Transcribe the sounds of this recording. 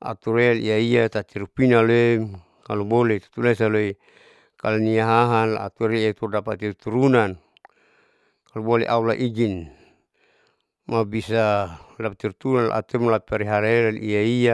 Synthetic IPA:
a̰t̪uɾealijaijat̪at̪iɾupinaloem | kalubolet̪u̥t̪ulesaloi | kaloniaɦaɦanla̰a̰t̪uɾet̪urdapat̪irut̪uɾunan | kalubolḛʔaulaʔiɡin | mabisadapat̪iɾut̪uunanla̰ʔa̰t̪umlapɛɾiɦaɾelalijaia

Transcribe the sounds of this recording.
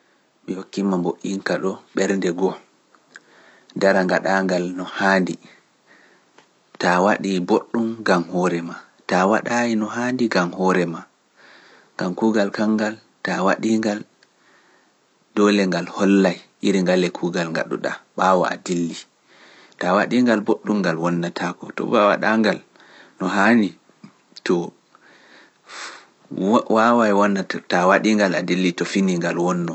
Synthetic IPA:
mihokːimːamboʔiŋkaɗɔɓɛɾndɛɡɔ | daɾaŋɡaɗaːŋɡalnɔhaːndi | tawaɗiboɗːumɡamhɔːɾɛma | tawa̰ɗainɔɦandiɡamhɔɾɛma | ŋɡamkuːɡalkaŋɡal | tawa̰ɗiːŋɡal | dɔlɛŋɡalhɔlːajʔiɾiŋɡalɛkʰuːɡalŋɡa̰ɗṵɗa̰ɓawɔ̰a̰dilːi | tawaɗiŋɡalboɗːumɡalwɔnːatʰakɔtɔ̰bawa̰ɗaŋɡal | nɔɦani | tɔ | wawajwɔnːatawaɗiŋɡaladilːitɔfiniŋɡalwɔnːɔ

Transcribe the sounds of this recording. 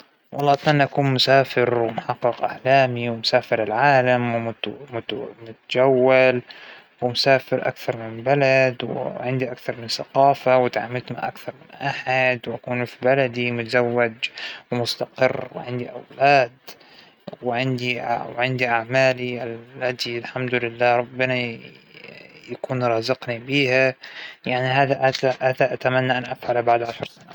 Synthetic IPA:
wʔɑlːɑːʔt̪manːʔakuːnmʊsaːfɪɾwɪmʊħɑqːɨqʔa̰ʕlaːmiwɪmʊsaːfɪɾɪlʕaːlamwʊmʊmʊt̪ad͡ʒawːal | wɪmʊsaːfɪɾʔa̰kθɑɾˤmɪnbalad̪wɪ̰ʕɪnd̪iʔakθɑɾˤmɪnsaqɑːfawɪt̪ʕa̰mːɪlt̪ma̰ʔa̰kθɑɾˤmɪnʔaħad̪wʔakuːnfibalad̪imʊt̪azawːad͡ʒwmʊst̪aqɪrːwɪ̰ʕɪnd̪iʔawlaːd̪ | wɪʕɪnd̪iwʕɪnd̪iʔaʕmaːliʔalːad̪ilħamd̪ʊlɪlːaːɾˤɑbːɪna | jakuːnɾˤɑːzɪqnibiːhajaʕniɦaːðaʔaʔaːðaʔat̪amanːaʔanʔafʕalbaʕd̪ʕaʃɑɾˤsana

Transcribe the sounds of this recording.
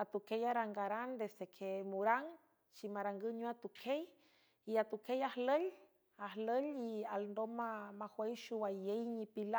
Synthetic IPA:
at̪ukejaɾaŋɡaɾand̪esd̪ekʰemuɾaŋ | t͡ʃimaɾaŋɡɨɲuat̪ukʰej | iat̪ukʰejahləl | ahləlialnd̪omamahwejʃuwajejɲipila

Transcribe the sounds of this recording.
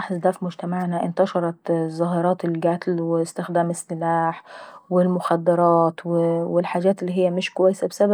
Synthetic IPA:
ɑħzd̪æfimʊd͡ʒt̪æmaʕnæʔɪnt̪ɑʃɑɾˤɑt̪zˤːɑɦɑɾˤɑːt̪elɡæt̪lwest̪ɪxd̪æːmɪsːɪlaːħwɪlmʊxæd̪ːɑɾˤɑːt̪wewelħaːd͡ʒæːt̪ʔelːiːɦɪjːæmɪʃkowæjːesæbesæbæ

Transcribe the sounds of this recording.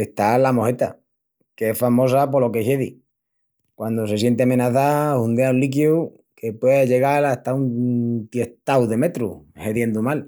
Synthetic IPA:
eht̪alamo̞het̪a̰ | kee̞sfamo̞sapolo̞keheðḭ | kwand̪o̞se̞sje̞nt̪̬emẽ̞naθaund̪eaunlik̬ju | kʰe̞pwe̞ðeʎe̞ɣ̞alat̪aunt̪je̞ht̪awðe̞me̞t̪ɾṵhe̞ðje̞nd̪umal

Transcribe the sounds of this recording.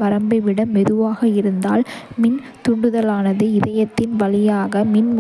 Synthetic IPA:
ʋɐɾɐmbɐɪʋɪɽɐmɛðɯʋaːɣɐɪɾɯnd̪a̰ːlmɪn | t̪ʊɳɖɯðɐlaːnɐðɯɪðɐjɐt̪ːɪnʋɐlɪjaːɣɐmɪn

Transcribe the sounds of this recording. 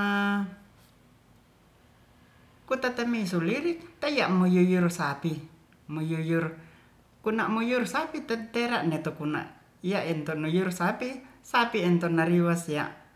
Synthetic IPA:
a | kut̪at̪amisuliɾikt̪ajaʔmujujursapi | mujujur | kunaʔmujursapit̪ɛt̪eɾaʔnɛt̪okuna̰ʔ | ijaʔɛnt̪onujursapisapiɛnt̪onaɾiwasja̰ʔ

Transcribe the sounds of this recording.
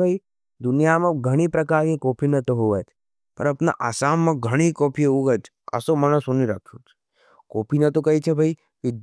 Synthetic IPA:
bʱai | d̪ʊnijamɐ̃ɡʱəɽ̃ipɾɐkaːɾkikoːpʰinɐt̪oɦoʋət̪ʰ | pɐ̰ɾɐpna̰ʔasaːmːɐ̃ɡʱəɽ̃ikoːpʰijeuɡəd͡ʒ | ɐ̰somanɐsoniɾakʰut̪ʰ | koːpʰinɐt̪okɐit͡ʃʰebʱai | ʋɪd̪

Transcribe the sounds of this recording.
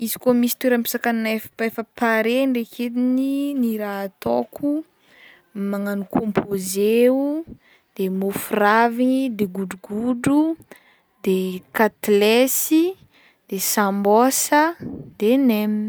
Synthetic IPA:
izi̥komisi̥t̪weɾəmpi̥sakanefefəpaɾeɳɖ͡ʐekʰed̪ininiɾat̪okʰu | maŋanikʰompʰozeu | d̪̥emofuravinid̪eɡuɖ͡ʐuɡuɖ͡ʐu | d̪ekat̪lesi | d̪̥esambosəd̪̥enemi

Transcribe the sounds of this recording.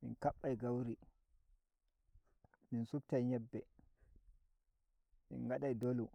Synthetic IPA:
mḭnkaɓːajɡawɾi | minsub̚tajɲɛbːɛ | mḭnŋɡaɗajdolu

